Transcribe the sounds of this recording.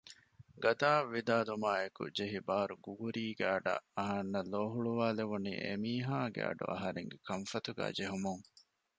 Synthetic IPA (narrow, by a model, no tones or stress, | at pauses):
ɡɐt̪aːʋʋːid̪aːlumaːekṵd͡ʒeɦibaːɾuɡuɡuɾiːɡæɐɖɐ̰ʔɐɦɐnːɐloːɦuɭuʋaːleʋunḭːʔḛmiːɦaːɡḛɐ̰ɖṵʔɐ̰ɦɐɾeŋɡekɐmfɐt̪uɡæ̰ːd͡ʒeɦumuŋ